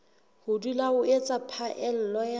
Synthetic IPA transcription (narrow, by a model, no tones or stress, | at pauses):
hʊdulaʊet͡sʼapʰaʔɛl̩lɔja